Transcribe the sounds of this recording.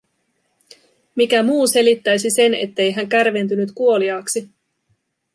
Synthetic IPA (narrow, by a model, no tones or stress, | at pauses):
mikæmuːse̞lit̪ːæjsise̞ne̞̰t̪ːe̞jɦæŋkærʋe̞nt̪̬ynyt̪kuo̞liɑːksi